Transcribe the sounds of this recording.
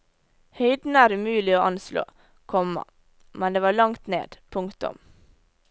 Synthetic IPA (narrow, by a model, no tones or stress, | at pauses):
hœɪd̪n̩əæːɾʉmʉːlɪoːʔɑnslo̰ː | kʰɔmɑ̰ | mɛnd̪eːʋɑːɭɑŋt̪nḛːd̪pʰʊŋkt̪ʊ̰m